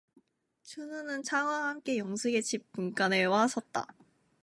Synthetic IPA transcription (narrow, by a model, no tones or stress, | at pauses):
t͡ɕʰɯnɯnɯnt͡ɕʰaŋwaɦamk͈e̞jʌŋsʰeɡe̞t͡ɕʰip̚p͈ːunk͈anɯwasʰʌt̚t͈a̰